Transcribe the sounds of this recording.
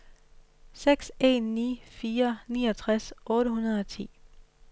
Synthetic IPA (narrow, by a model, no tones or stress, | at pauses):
seɡ̥se̝̰nːḭːfiːɐnḭːɒt͡sʰʁasʔɔ̽ːɾəɦunɐðˠɒ̽t͡sʰḭː